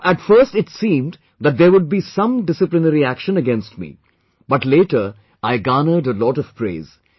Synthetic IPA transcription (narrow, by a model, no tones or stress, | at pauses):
ʔæʈfəɾsʈɪʈsĩːmd | ðæt̚d̪eɾwʊɖ̚biːsʌ̃mɖɪsɨplɪnəɾiækʃə̃nəɡɛ̃nsʈmḭ | bʌʈleːʈəɾ | aɪɡaːnəɖəlɔːʈɔv̥pɾḛːz̥